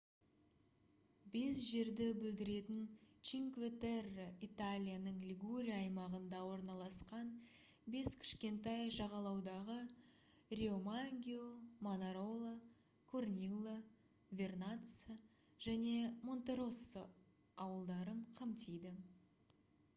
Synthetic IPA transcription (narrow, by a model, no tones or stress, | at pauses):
be̞sʒe̞ɾd̪ɪbʏld̪ɪɾe̞t̪ɪnt͡ʃiŋkvʲet̪erit̪alʲijanəɴlʲiɡuɾʲijaːjmɑʁənd̪ɑwo̞ɾnɑlˠɑsqɑn | be̞skʲʰɪ̥ʃkʲe̞nt̪ɑjʒɑʁɑlˠɑwd̪ɑʁə | rʲeomaŋɡʲiomonaɾo̞lˠə | kʰornʲilˠə | vʲe̞rnat̪sə | ʒ̥æne̞mo̞nt̪eɾo̞sə | ɑwəlˠd̪ɑɾəɴqʰɑmt̪ijd̪ɪ